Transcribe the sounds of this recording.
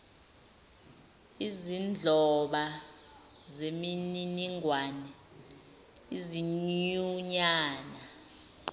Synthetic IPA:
izind͡ɮʱɔɓa | zemininiŋwanɛ | iziɲuɲaːna

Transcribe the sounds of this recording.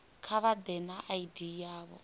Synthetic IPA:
kʰaβad̪ɛnaʔaidijaːβɔ

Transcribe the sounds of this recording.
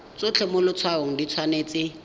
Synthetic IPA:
t͡sʊt͡ɬʰɛmʊlʊt͡sʰwaɦʊŋ̩dit͡sʰwaneːt͡sɪ

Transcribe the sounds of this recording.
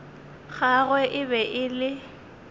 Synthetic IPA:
ɣaɣwɛʔɪbɛʔɪlɪ

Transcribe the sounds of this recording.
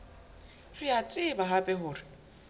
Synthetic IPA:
rɪat͡sʼɪbaɦapʼɛɦʊːrɪ

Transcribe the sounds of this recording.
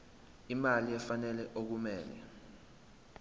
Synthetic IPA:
imaliɛfanɛlɛʔok̬umɛːlɛ̰

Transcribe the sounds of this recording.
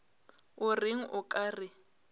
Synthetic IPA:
ʊrɪŋ̩ʔʊkʼaːrɪ

